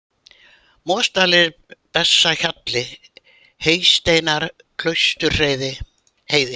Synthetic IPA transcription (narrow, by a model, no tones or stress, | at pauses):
mɔːst̪aːlɪɾ | pɛsːaçat̪lɪ | heːjst̪eːjnaɾ̥ | kʰl̥œɥst̪ʏɾr̥eːjðɪ | heːjðɪ